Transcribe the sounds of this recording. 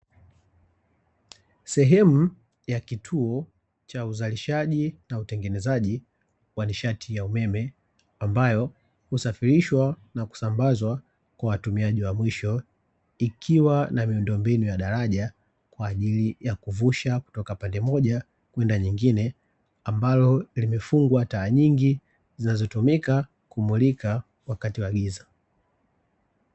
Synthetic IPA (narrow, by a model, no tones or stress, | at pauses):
sɛɦɛm̩ | jakitʰuɔ | t͡ʃauzaliʃaʄinautɛŋɡɛnɛzaʄi | waniʃatʰijaumɛmɛ | ambajɔ | husafiɾiʃwa | naku̥sambazwa | kwawatumiaʄiwamwiʃɔ | ikʰiwanamiundɔmbinujaɗaɾaʄa | kwaːʄilijakuvuʃaku̥tɔkapandɛmɔʄa | kwɛndaɲiŋɡinɛ | ambalɔlimɛfuŋɡwataːɲiŋɡi | zinazɔtumika | kumulika | wakatiwaɡiza